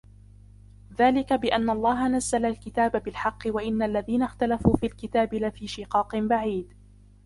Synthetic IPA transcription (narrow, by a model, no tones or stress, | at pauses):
ðaːlɪkabɪʔanːaʔlˤːɑːɦanazːalalkɪt̪aːbabɪlħɑqːɨwaʔɪnːaʔlːaðiːnaxt̪alafuːfiːlkɪt̪aːbɪlafiːʃɪqɑːqɨbaʕiːd̪